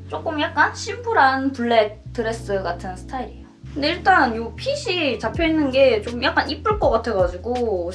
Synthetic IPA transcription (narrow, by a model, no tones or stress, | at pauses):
t͡ɕ͈ok͈ɯmjak̚k͈anɕʰimbuɾanpuɭːetʰɯɾe̞s͈ɯɡatʰɯnsʰɯ̥tʰaiɾijokkɯnde̞iɭt͈anjopʰiɕʰit͡ɕapʰjʌinːɯnɡe̞t͡ɕ͈omjak͈̚anip͈ɯɭk͈ʌk͈atʰeɡad͡ʑiɡo